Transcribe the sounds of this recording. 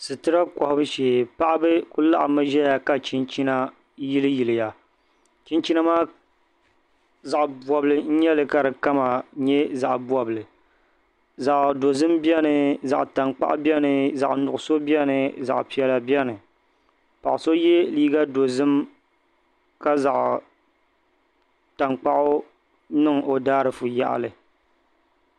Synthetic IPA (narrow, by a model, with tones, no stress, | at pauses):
sɨ˨tɨ˦ɾa˦kɔ˨hʊ˦bɨ˦ʃeː˨pa˦ʔbɨ˦ku˦la˦ʔmɨ˦ʒɛ˦ja˨ka˨t͡ʃi˦nt͡ʃi˦na˦ | ji˦lɨ˦ji˨lɨ˨ja˨ | t͡ʃi˦nt͡ʃi˦na˦maː˦ | za˨ʔbɔ˨bɨ˦lɨ˨n̩˦ɲɛ˦lɨ˨ka˨ɾɨ˨ka˦ma˨ɲɛ˦za˨ʔbwɔ˨bɨ˨lɨ˨ | za˨ʔdo˨zɨ˦mbi˦ɛ˦nɨ˨za̰˨ʔta˨ŋk͡pa̰˦ʔbi˦ɛ˦nɨ˨za˨ʔnʊ˨ʔʊ˨so˦bi˦ɛ˦nɨ˨za̰˨ʔpi˦ɛ˦la˨bi˦ɛ˦nɨ˨ | pa̰˨ʔso˦jɛ˦liː˦ɡa˦do˨zɨ˦m | ka˦za˨ʔ | ta˨ŋk͡pa˦ʔʊ˦ | nɨ˦˨ŋʔo˨daː˦ɾɨ˨fu˨ja̰˦ʔlɨ˨